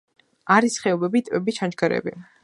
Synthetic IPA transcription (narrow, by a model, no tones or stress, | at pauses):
aɾisχɛɔbɛbit̪ʼvɛbit͡ʃʰand͡ʒɡaɾɛ̰bi